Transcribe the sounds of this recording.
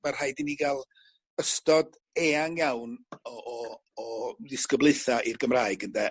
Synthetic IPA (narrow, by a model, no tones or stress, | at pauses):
mar̥hajdiniɡalˠ | əstɔd | ɛːaŋjawnɔʔɔː | dɪskəblˠɨθaʔirɡəmraːɨɡəndɛ